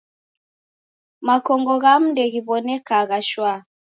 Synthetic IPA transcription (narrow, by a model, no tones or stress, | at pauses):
makɔŋɡɔɣam̩dɛɣiβɔnɛkaɣaʃwa